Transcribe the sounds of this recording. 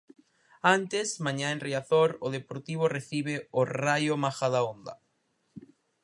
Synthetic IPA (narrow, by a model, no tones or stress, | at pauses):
ant̪esmãɲãẽnreaθoɾʊðepoɾt̪iβ̞oreθiβ̞eorajomaxaðaond̪a̰